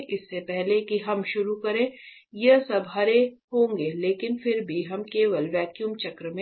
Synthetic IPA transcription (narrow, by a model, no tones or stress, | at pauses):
ʔɪsːepɛɦlekiɦɐmʃʊɾukɐɾẽː | jɐsɐbɦɐɾeɦõːŋɡeːleːkɪnfʰɪɾbʱiɦɐmkeːʋəlʋɛːkjuːmt͡ʃɐkɾəmẽ